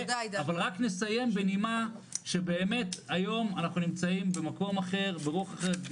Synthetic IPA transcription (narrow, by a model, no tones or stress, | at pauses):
avalʁakne̞saje̞mbenimaʃe̞be̞ːme̞tajo̞manaχnunimt͡saimbe̞mako̞maχe̞ʁbeʁuaχaχe